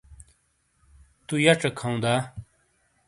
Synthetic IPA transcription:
t̪ujɐʈ͡ʂɐkʰãũd̪aː

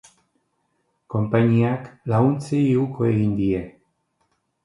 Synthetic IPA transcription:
ko̞mpaɲiaklaɣunt͡seiukʰoeɣind̪ie̞

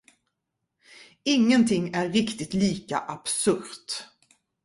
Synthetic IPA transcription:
ɪŋːənt̪ʰɪŋːæɾːɪkt̪ɪt̪liːka̰ʔab̥sɵɾt̪

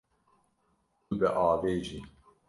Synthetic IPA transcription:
ubɛʔɑːveːʒi

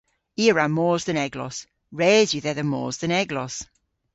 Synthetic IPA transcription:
iːəɹamɔːzðənɛɡlɔ̰s | ɹeːzjəðɛðəmɔ̰ːzðənɛɡlɔs

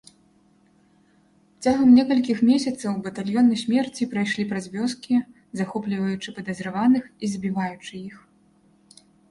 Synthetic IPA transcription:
t͡sʲaɣɐmnʲɛkɐlʲkʲixmʲɛsʲɐt̪sɐwbɐt̪alʲjɔnɐjsʲmʲɛrt͡sʲipɾajʂlʲipɾɐzʲvʲɔskʲi | zaxɔplʲivɐjut͡ʂɨpɐd̪ɐzɾavanɨxizbʲivajut͡ʂɨix

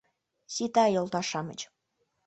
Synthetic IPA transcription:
sit̪ɑjolˠt̪ɑʃɑmə̰̆t͡ɕ

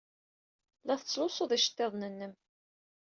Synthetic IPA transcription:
læθət͡sːlʊsˤoðˤæʃə̥t̪ːeðˤnənːəm

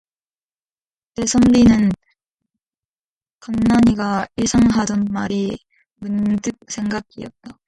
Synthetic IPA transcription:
te̞sʰʌmɾinɯn | kamnaɲiɡaiɭsʰaŋɦadʌnmaɾi | mundɯk̚sʰe̞ŋɡaɡiʌ̰t̚t͈a

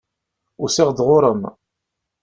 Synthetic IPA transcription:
ʊɾsɪʁd̪ʁʊɾˤəm

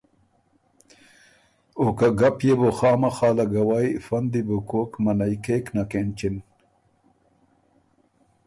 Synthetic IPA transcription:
okaɡɐpjeboxɑːmɐxɑːlɐɡɐwajfɐnd̪ibokoːkmɐnajkeːknakent͡ɕin

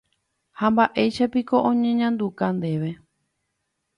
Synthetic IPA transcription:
hambaʔe̞jʃapiko̞ʔõɲẽɲãnd̪ukand̪e̞ʋe̞

